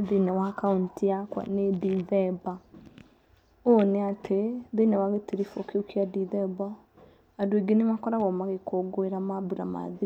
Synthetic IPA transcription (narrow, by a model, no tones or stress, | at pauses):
ðinɛwakauntiakwa̰nediðɛba | oneatʰeðenewaɣetiɾifokeokiadiðɛbɔ | adweɡenemakɔɾaɣɔmaɣekoɡoeɾamaβuɾa̰ma̰ði